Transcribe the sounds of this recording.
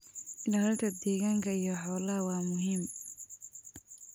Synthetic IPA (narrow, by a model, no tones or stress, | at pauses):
ɖɐlɐlk̪ʰɐd̪ɛːɣaːŋkʰɐijɔħɔːlɐɦɐwɑːmʊɦiːm